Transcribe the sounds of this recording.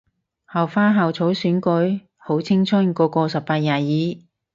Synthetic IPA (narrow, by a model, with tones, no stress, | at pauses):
hɐ˨wfaː˥ɦa˨wt͡sʰo˨˥wsyː˨˥nkɵ˨˥j | ho˨˥wt͡sʰɪ˥ŋt͡sʰɵ˥nkɔː˧kɔː˧sɐ˨p̚paː˧t̚jaː˨˩jiː˨˥